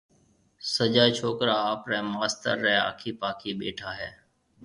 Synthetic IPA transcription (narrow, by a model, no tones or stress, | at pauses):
səd͡ʒaːt͡ʃʰoːkɾaːaːpɾɛ̃ːmaːst̪ə̰ɾːɛ̃ːa̰ːkʰiːpaːkʰiːɓḛːʈʰaːɦɛː